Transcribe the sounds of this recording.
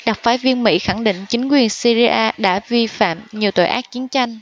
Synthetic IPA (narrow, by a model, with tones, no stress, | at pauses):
ɗa˨˩k͡p̚faː˨˦jvi˧ənmḭ˧˥xa˧˩ŋɗḭ˧˨ŋ̟t͡ɕï˨˦ŋ̟kwi˨˩ənsi˧zi˧ʔaː˧ɗa̰ː˧˥vi˧fa̰ː˧˨mɲi˨˩əwt̪o̰˧˨jʔaː˦˥t̚t͡ɕi˨˦ənt͡ɕa˧jŋ̟